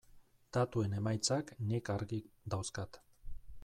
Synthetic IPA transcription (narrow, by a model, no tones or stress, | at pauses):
d̪̥at̪ue̞ne̞majt͡saknikaɾɣid̪awskat̪